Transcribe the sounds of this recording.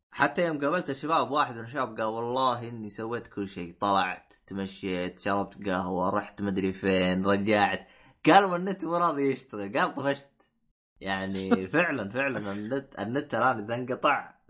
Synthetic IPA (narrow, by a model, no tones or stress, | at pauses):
ħat̪ːajoːmɡabalt̪aʃːɪbaːbbwaːħɪd̪mɪnʃ̬aːb̚ɡaːlwɑlˤːɑːɦʔɪnːisawːeːt̪kʊlːʃeːt̪ˤɑlɑ̰ʕt̪ː | maʃːeːt̪ʃɑɾˤɑb̚t̪ɡaɦwaɾˤɑːħt̪mad̪ɾifeːnɾˤɑd͡ʒaːʕt̪ | ɡ̥aːlmanːɪt̪ːwɪɾˤɑːðˤijɪʃt̪aɣɪlɡaːlt̪ˤɑfaʃt̪ | jaʕnifɪʕlanfɪʕlanʔanːt̪ʔa̰nːɪt̪ːalʔaːniðaŋɡɑt̪ˤɑʕ